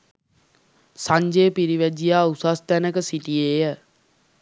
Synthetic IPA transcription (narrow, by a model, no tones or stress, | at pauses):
saɲd͡ʒeːpiɾiʋæd͡ʒijaːusast̪ænəkəsiʈijejə